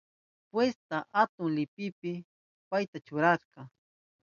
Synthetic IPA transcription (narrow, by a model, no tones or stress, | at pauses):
pwest̪aʔat̪ʊŋlɪpɪpɪ | pajt̪at͡ʃʊɾaʃqɑ